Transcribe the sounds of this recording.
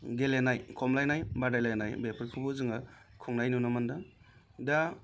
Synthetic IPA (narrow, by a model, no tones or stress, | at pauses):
ɡelenajkʰɔmlajnajbadajlajnajbepʰɯɾkʰɯbɯzɯŋa | kʰuŋnajnunɔmanda | da